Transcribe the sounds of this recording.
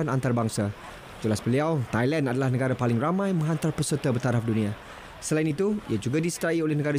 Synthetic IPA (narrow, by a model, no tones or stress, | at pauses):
anant̪arbaŋsa | d͡ʒulasbəliawt̪ajlanadalahnə̃ɡaɾapalɪŋramãjmə̃ŋɦant̪arpəsət̪abərt̪aɾafdunĩa | səlainit̪uḭad͡ʒuɡadisətaiolɛhnəɡaɾa